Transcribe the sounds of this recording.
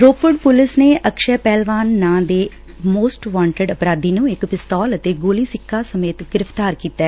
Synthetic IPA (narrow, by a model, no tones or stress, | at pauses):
ɾoːpəɖpʊlɪsneːʔəkʃɛːpɛːlʋaːnːãːd̪eː | moːsʈʋãːɳʈəɖəpɾaːd̪iːnũːɪkpɪst̪ɔːlət̪eːɡoːliːsɪkʰːaːsəmeːt̪ɡɪɾɪpt̪aːɾkiːt̪ɛː